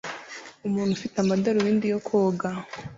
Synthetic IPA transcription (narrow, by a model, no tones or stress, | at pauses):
umuːn̥hufitamadaɾujiːndijokʰoːɡa